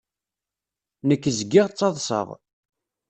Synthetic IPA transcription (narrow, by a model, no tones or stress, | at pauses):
nəkːəzɡːɪʁt͡sːɑðˤsə̰ʁ